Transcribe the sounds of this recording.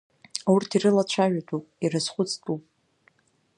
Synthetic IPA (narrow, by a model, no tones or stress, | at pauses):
aurtʰiɾɨlat͡ʃʷʰaʒᶣatʼupʼiɾɨzχʷʊt͡sʼtʼupʼ